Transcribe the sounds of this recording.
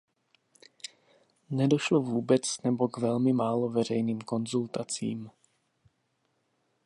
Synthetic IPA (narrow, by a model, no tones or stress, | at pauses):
nɛdoʃlovuːbɛt͡snɛbo̞ɡvɛlmɪmaːlovɛr̝ɛjniːmko̞nzult̪at͡sḭːm